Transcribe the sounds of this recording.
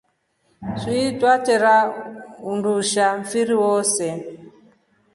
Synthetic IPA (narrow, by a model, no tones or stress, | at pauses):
sitwatɛɾaunduʃaɱfiɾiwɔsɛ